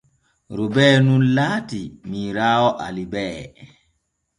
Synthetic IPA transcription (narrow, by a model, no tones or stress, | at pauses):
ɾubɛːnunlaːtimiɾaːwɔʔa̰libɛː